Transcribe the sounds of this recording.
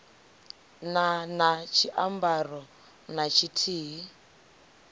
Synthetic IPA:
nanat͡ʃʰiʔambarɔ | nat͡ʃʰitʰiːɦi

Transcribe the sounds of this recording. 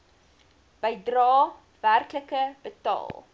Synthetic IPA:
b̥əjdrɑː | værkləkəb̥ətɑ̰ːlˠ

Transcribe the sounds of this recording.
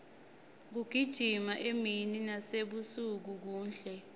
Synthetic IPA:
k̬uɡ̥ʱid̥ʒ̥ʱimaʔemininaseɓusuk̬uk̬uːnɬɛ

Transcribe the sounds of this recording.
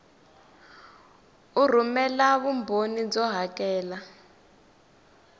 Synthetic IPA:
ur̤umɛlaβumbʱonid͡zɔɦakɛːla

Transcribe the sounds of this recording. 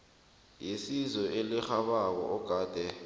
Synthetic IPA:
jesizɔʔelixaɓak̬ɔ̰ʔɔɡ̥ʱaːd̥ʱɛ

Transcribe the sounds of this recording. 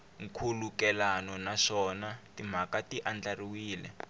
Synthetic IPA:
ŋ̩kʰulukɛlanɔnaʂɔnatim̤akatiʔand͡ɮariwiːlɛ̰

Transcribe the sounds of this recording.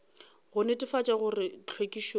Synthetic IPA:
ɣʊnetʼɪfat͡ʃʼaɣʊrɪt͡ɬʰwekʼiʃo

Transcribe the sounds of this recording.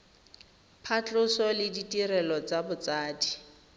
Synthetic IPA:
pʰat͡ɬʼʊsɔlɪditʼiɾɛlɔt͡sabʊt͡saːdi

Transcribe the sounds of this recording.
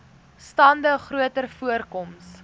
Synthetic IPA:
stɑndəχruətərfuərkɔms

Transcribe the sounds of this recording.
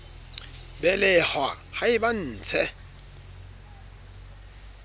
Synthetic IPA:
bɛlɛhwa | haɪban̩ːt͡sʰɛ

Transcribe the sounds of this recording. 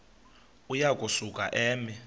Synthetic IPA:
ujakʼusukʼa̰ʔɛːmi

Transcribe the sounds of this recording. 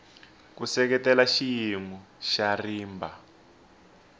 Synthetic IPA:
kusɛk̬ɛtɛlaʃijimu | ʃariːmba

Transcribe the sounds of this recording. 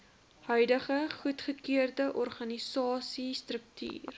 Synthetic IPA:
hœɥdəχəχutχəkiərdəʔɔrχɐnisɑːsistrək̚ty̰ːr

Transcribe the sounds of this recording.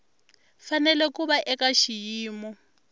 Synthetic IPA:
fanɛlɛkuɓaʔɛkaʃijiːmɔ

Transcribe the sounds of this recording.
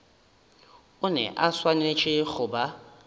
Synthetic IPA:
ʊnɛ̰ʔaswanet͡ʃʼɪɣʊba

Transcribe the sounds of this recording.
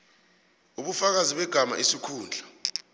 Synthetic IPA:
uɓufak̬aziɓɛɡ̥ʱama̰ʔisikʰuːnd͡ɮʱa

